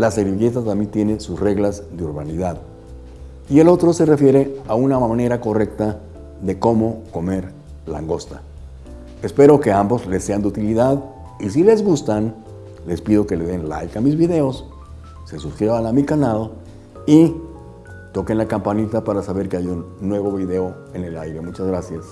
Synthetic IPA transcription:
laseɾiɣe̞t̪at̪ambjent̪je̞ne̞susre̞ɣlazðeuɾβaniðað | ie̞lo̞t̪ɾo̞se̞re̞fje̞ɾe̞aunamaane̞ɾako̞re̞k̚t̪a | ðe̞ko̞mo̞ko̞me̞ɾ | la̰ŋɡo̞st̪a̰ | espe̞ɾo̞ke̞ambo̞zlesːe̞and̪eut̪iliðað | is̬ile̞zɣust̪an | le̞spið̞o̞ke̞le̞ðe̞nla̰jkamizβiðe̞o̞sː | e̞suskɾiβanamikanaðo̞ | i | t̪o̞kenlakampanit̪apaɾasaβe̞ɾkeajunːwe̞βo̞βiðe̞o̞ | e̞ne̞lajɾe̞mut͡ʃazɣɾasjas

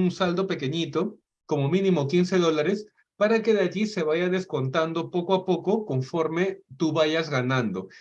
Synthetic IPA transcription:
unsald̪ope̞keɲit̪o | ko̞momĩnĩmokinseðo̞laɾes | paɾakeðeaʝise̞βaʝaðesko̞nt̪and̪opokoapokokoɱfo̞ɾmet̪uβaʝazɣanãnd̪o

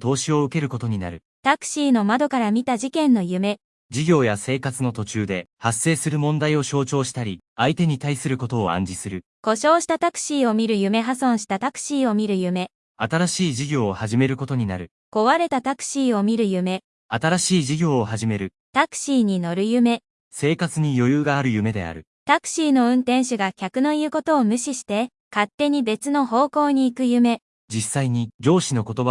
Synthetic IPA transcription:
t̪o̞ːɕio̞ɯ̟ke̞ɾɯ̟ko̞t̪o̞ɲ̟ina̰ɾɯ̟ | t̪akɯ̟̥ɕiːno̞mad̪o̞kaɾamʲit̪aʑikẽ̞nːo̞jɯ̟me̞ | d͡ʑiɡʲo̞ːjase̞ːkat͡sɨno̞t̪o̞t͡ɕɨːd̪e̞hasːe̞ːsɨɾɯ̟mõ̞nd̪aio̞ɕo̞ːt͡ɕo̞ːɕi̥t̪aɾʲi | ait̪e̞ɲ̟it̪aisɨɾɯ̟ko̞t̪o̞ːã̰ɲ̟d͡ʑisɨɾɯ̟ | ko̞ɕo̞ːɕi̥t̪at̪akɯ̟̥ɕiːo̞mʲiɾɯ̟jɯ̟me̞ɦasõ̞ɰ̃ɕi̥t̪at̪akɯ̟̥ɕiːo̞mʲiɾɯ̟jɯ̟me̞ | at̪aɾaɕiːʑiɡʲo̞ːhaʑime̞ɾɯ̟ko̞t̪o̞ɲ̟inaɾɯ̟ | ko̞βaɾe̞t̪at̪akɯ̟̥ɕiːo̞mʲiɾɯ̟jɯ̟me̞ | at̪aɾaɕiːʑiɡʲo̞ːhaʑime̞ɾɯ̟ | t̪akɯ̥ɕiːɲ̟ino̞ɾɯ̟jɯ̟me̞ | se̞ːkat͡sɨɲ̟ijo̞jɯːɡaːɾɯ̟jɯ̟me̞d̪e̞̰a̰ɾɯ̟ | t̪akɯ̟̥ɕiːno̞ɯ̟̃nt̪ẽ̞ɰ̃ɕɨɡakʲakɯ̟no̞iɯ̟ko̞t̪o̞ːmɯ̟ɕiɕi̥t̪e̞ | kat̪ːe̞ɲ̟ibe̞t͡sɨno̞ɦo̞ːko̞ːɲ̟iːkɯ̟jɯ̟me̞ | d͡ʑisːaiɲ̟id͡ʑo̞ːɕino̞ko̞t̪o̞ba

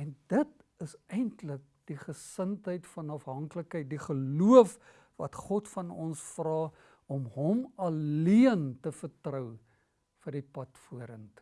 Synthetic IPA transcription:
ɛnd̥ət | əsɛjntlək̚d̥iχəsəntɦəjtfɐnɐfɦɐŋkləkɦəjt̚diχəluəf | vɐ̰tχɔtfɐnɔnsfrɑː | ɔmɦɔmɐlliəntəfərtrəw | fərdipɐtfuəɾənt

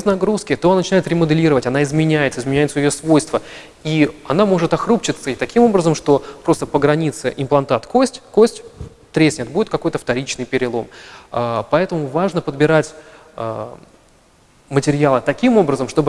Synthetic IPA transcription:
bʲɪznɐɡɾuskʲɪt̪onnət͡ɕɪnajɪt̪ɾʲɪməd̪ɨlʲiɾəvətʲɐnaɪzmʲɪnʲæjɪt̪səɨɪzmʲɪnʲæjɪt̪səjɪjosvo̞jst̪və | iɐnamo̞ʐɨt̪ɐxɾupt͡ɕɪt̪səit̪ɐkʲimo̞bɾəzəmʂt̪o̞pɾo̞st̪əpəɡɾɐnʲit̪sɨʔɪmplˠɐnt̪at̪ko̞sʲtʲkosʲtʲ | t̪ɾʲesʲnʲɪt̪̚budʲɪt̪̚kɐko̞jt̪əft̪ɐɾʲit͡ɕnɨjpʲɪɾʲɪlˠo̞̰məpɐɛt̪əmʊvaʐnəpəd̪bʲɪɾatʲː | mətʲɪɾʲɪjalˠət̪ɐkʲimo̞bɾəzəmʂt̪o̞bɨ

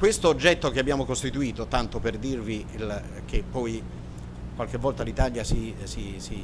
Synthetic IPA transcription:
kwest̪oːd͡ʒːɛt̪ːokeabːjaːmokost̪it̪uiːt̪ot̪ant̪operd̪irvi | l | k̟epːɔj | kwalk̟evːɔlt̪alit̪aljasisisi

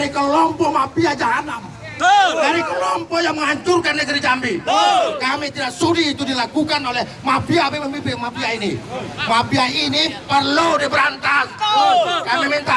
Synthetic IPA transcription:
ɾikəlɔmpɔmapiad͡ʒaɦanam | daɾikəlɔmpɔjaŋməŋaɲt͡ʃʊrkandəd͡ʒaɾid͡ʒambikamet̪idaksudiːt̪udilakukanolɛhmabiabeməmbibemabiainimabiainipərludibəɾant̪as | kamimɛnt̪a

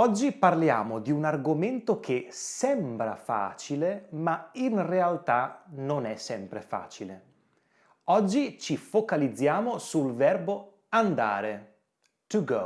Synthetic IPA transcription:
ɔd͡ʒːiparlja̰ːmod̪iunarɡoment̪okʰesɛmbɾa̰fa̰ːt͡ʃilemainrealt̪anonɛsɛmpɾefa̰ːt͡ʃile | ɔd͡ʒːit͡ʃifokalid̪zːjaːmosulvɛrbo | and̪a̰ːɾe | t̪uɡo̰

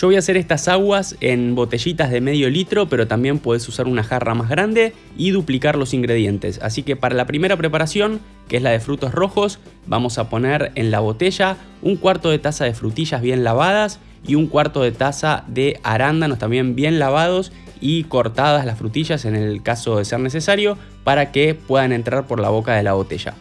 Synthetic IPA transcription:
ʒ̥oβo̞jaːse̞ɾe̞st̪asaɣwasenbo̞t̪e̞ʒit̪azðe̞me̞ðjo̞lit̪ɾo̞pe̞ɾo̞t̪ambje̞mpwoðesusaɾunaxarʔa̰mazɣɾand̪e̞ | iðuplikaɾlo̞siŋɡɾe̞ðje̞nt̪e̞̰sa̰sike̞paɾalapɾime̞ɾapɾepaɾasjo̞ŋ | keezlaðe̞fɾut̪o̞sro̞xo̞s | bamo̞sapo̞neɾe̞nlaβo̞t̪e̞ʒa | uŋkwaɾt̪o̞ð̞et̪asaðe̞fɾut̪iʃazβ̞je̞nlaβað̞as | ḭuŋkwaɾt̪o̞ð̞e̞t̪asaðe̞aɾand̪anost̪ambje̞mbje̞nlaβað̞o̞s | iko̞ɾt̪aðazlasfɾut̪iʒase̞ne̞lkaso̞ðe̞seɾne̞s̬e̞saɾjo̞ | paɾakepwe̞ðanẽ̞nt̪ɾaɾpo̞ɾlaβ̞o̞kaðe̞laβo̞t̪e̞ʒa̰

